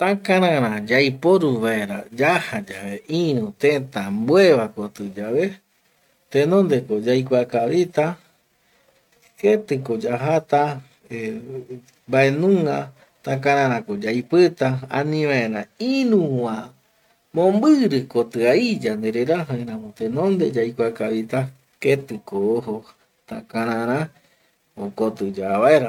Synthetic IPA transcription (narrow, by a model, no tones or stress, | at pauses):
t̪ãkãɾãɾãd͡ʒajpoɾuβaeɾad͡ʒahad͡ʒaβeʔĩɾũt̪ẽt̪ambweβakot̪ɨd͡ʒaβe̞ | t̪ẽnõnd̪ekod͡ʒajkʷakaβit̪a | et̪ɨkod͡ʒaɦat̪a | e | mbae̞nũŋɡa | t̪ãkãɾ̃ãɾ̃ãkod͡ʒajpɨt̪aa̰nĩʋãẽɾãiɾũwã | mõmbɨɾɨkot̪ɨaid͡ʒand̪eɾeɾaɦaẽɾãmot̪ẽnõnd̪ed͡ʒajkʷakaβit̪a | ket̪ɨkoːɦo | t̪akaɾãɾ̃ã | okot̪ɨd͡ʒaβaeɾa